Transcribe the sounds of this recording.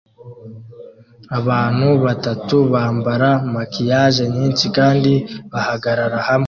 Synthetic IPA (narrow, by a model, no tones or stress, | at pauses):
aβaːn̥huβatatuβaːmbaɾamakijaʒeɲiːnsikaːndiβahaɡaɾaɾahamŋe